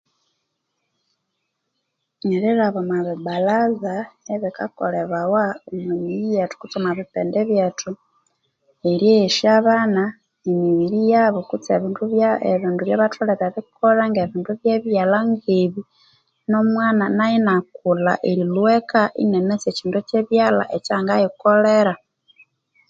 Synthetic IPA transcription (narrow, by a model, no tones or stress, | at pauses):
ɲeɾiɾaβomaβibalazaeβikako̰leβawaomemiɾijatu̥kut͡somaβipeːndeβjatu | eɾjeeʃiaβana | emiβiɾijaβokut͡seβiːnduβjaeβiːnduβjaβatʰuleɾaβikʰoɾaŋɡeβiːnduβjeβjalaŋɡeβi | no̞mwaːnanajinakula̰ʔeɾilwekaʔḭnenet͡seciːndut͡ʃeβjala̰ʔet͡ʃaːŋɡajikoleɾa